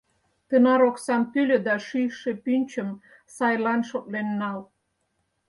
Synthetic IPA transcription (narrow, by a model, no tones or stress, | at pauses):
t̪ənɑɾoksɑmt̪ylʲø̆d̪ɑʃyjʃĕpynʲt͡ɕə̆m | sɑjlɑnʃot̪̚lenːɑl